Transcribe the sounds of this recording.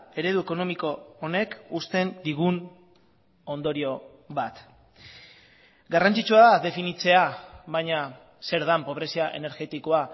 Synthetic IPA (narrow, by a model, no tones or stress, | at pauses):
e̞ɾe̞ðue̞ko̞no̞miko̞ːne̞kust̪e̞nd̪iɣ̞un | o̞nd̪o̞ɾio̞ | βat̪ | ɡarant͡sit͡suaðaðe̞finit͡se̞aβajɲa | se̞ɾðampo̞β̞ɾe̞siaʔe̞̰ne̞ɾɣe̞t̪iko̞a